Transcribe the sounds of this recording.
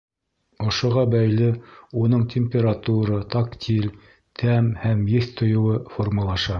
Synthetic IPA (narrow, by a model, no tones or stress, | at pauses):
ŏʃŏʁɑbæjlɘunɤɴtʲʰemʲpʲeɾat̪uɾɑt̪akt̪ʲʰil | t̪ʰæmhæmjɘθt̪ʰŏjŏwɤformulˠɑʃɑ